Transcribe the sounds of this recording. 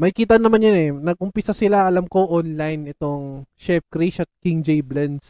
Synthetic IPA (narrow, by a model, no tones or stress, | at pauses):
mɐjkiːt̪̬ɐnɐmanjonɛnɐɡ̚ʔʊmpɪsasɪlaɐlamko̞ʔonlajnɛt̪o̞ŋʃɛfkɾiʃɐt̪̚kiŋd͡ʒɛjblɛns